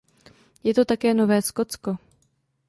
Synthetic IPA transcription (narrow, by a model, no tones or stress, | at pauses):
jɛt̪o̞t̪akɛːnovɛːskot͡sko